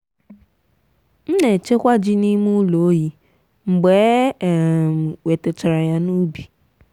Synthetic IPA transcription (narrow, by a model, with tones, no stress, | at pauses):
m̩˦ne˨t͡ʃe˦kʷa˦d͡ʒi˦ni˦mu˦lo˨˦ji˦ | ŋ͡m̩˨ɡ͡be˨˦˨ | m̩˨we˨te˨t͡ʃa˨ɾa˨ja˦nu˦bi˨